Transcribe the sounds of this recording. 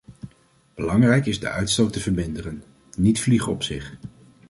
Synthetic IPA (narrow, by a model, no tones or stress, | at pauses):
b̥əlɑŋrɛjkɪzdə̰ʔœɥtstowtəvəɹmɪndərən | nitfliχəɔ̰psɪ̰χ